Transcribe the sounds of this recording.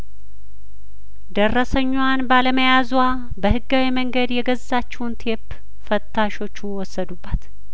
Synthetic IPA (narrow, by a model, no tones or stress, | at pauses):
d̪ərːəsəɲːwanbaləməjazwa | bəhɨɡːawiməŋɡəd̪jɛɡəzːat͡ʃːɛwunt̪ʰep | fət̪ʰːaʃo̞t͡ʃːuwɔsːəd̪ubːat̪